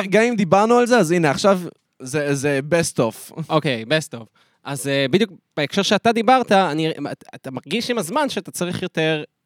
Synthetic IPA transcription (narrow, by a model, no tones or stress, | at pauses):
ɡamimd̪ibaʁnualzeazineaχʃav | zezebestofokejbest̪of | ʔazebid̪juk̚b̥eekʃeʁʃeatad̪ibaʁt̪aːnia̰at̪amaʁɡiʃimazmanʃeat̪at͡saʁiχjo̞te̞ʁ